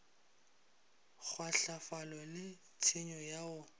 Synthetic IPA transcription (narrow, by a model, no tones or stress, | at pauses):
k͡xʰwaɬafalɔlɪ | tʰɪɲɔjaʊ